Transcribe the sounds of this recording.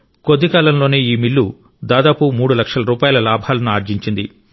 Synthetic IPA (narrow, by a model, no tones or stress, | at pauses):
kod̪ːikaːlɐmlo̞ːneːiːmilːu | d̪aːd̪aːpumuːɽulɐkʂɐlɐɾuːpaːjɐlɐlaːbʱaːlɐnuaːɾd͡ʒiɲt͡ʃind̪i